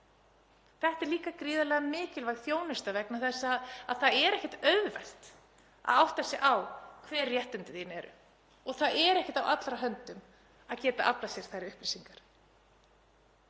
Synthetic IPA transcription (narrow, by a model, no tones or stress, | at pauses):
θɛht̪ɛɾliːkakɾiːðalɛɣamɪːcɪlvajɣθjoːwnɪst̪avɛknaθɛsːaaðθaðɛɾɛhcɛht̪œɥððvɛ̰l̥t̪ | a̰ðawht̪θasɪʔawkʰvɛːɾːjɛht̪ʏnt̪ɪθinɛɾʏ̰ | ɔɣθaðɛɾɛhcɪ̥ht̪awʔat̪lɾaɦœnt̪ʏm | aðcɛːt̪aʔaplasjɛɾ̥θajɾɪʏhplisiŋkaɾ̥